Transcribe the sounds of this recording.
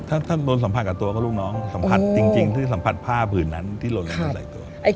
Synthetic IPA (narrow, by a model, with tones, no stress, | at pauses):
t̪ʰaː˥˩t̪ʰaː˥˩lo˧nsa˩˦mʰa˨˧˩t̚kaː˨˩t̪u˧ɐkɔː˥˩luː˥˩k̚nɔː˦˥ŋsa˩˦mpʰa˨˧˩t̪̚t͡ɕi˧ŋt͡ɕi˧ŋt̪ʰiː˥˩sa˩˦mpʰa˨˩t̪̚pʰaː˥˩pʰɯː˨˩nːa˦˥nt̪ʰiː˥˩loː˧la˦˥ɔ˥˩sa̰˨˩˦t̪u˧ɐʔa˧˩